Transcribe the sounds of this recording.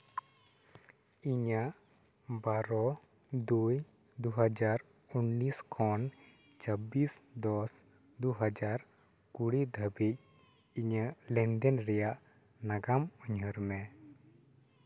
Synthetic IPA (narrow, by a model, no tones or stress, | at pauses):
iɲaʔ | baɾɔ | d̪uj | d̪uɦəd͡ʒaɾ | unːiskʰɔn | t͡ʃəbisd̪ɔs | d̪uɦəd͡ʒaɾ | kuɽid̪ʱəbic̚ | iɲəʔlɛnd̪ɛnɾɛjaʔ | naɡamuɲɦəɾmɛ